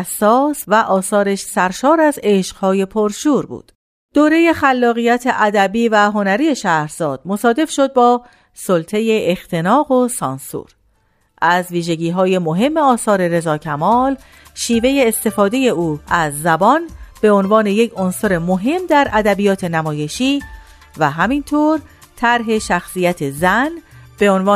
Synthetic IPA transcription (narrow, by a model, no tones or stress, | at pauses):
æsɒːsvæʔɒːsɒːɾeʃsæɾʃɒːɾæze̞ːʃqhɒːje̞pʰoɾʃuːɾbṵːd̪̥ | d̪̥oːɾe̞je̞xælːɒːɣijæt̪ʰe̞ʔæd̪æbiːvæɦo̞næɾije̞ʃæːhɾz̥ɒːd̪̥̚mo̞sɒːd̪e̞fʃo̞d̪̚bɒː | solt̪ʰe̞je̞ext̪ʰe̞nɒːɣo̞sɒːnsṵːɾ | ʔæzviːʒe̞ɟiːɦɒːje̞mo̞ɦe̞mːeɒːsɒːɾe̞ɾe̞zɒːcʰæmɒːl | ʃiːve̞je̞ːst̪e̞fɒːd̪e̞je̞ʔuːæzːæbɒnb̥e̞o̞nvɒːne̞jecʰonsoɾe̞moɦe̞md̪æɾʔæd̪æbijɒːt̪ʰe̞næmɒːje̞ʃiː | væɦæmint̪ʰoːɾ | t̪ʰæɾɦe̞ʃæxsiːjæt̪ʰezænb̥e̞onvɒː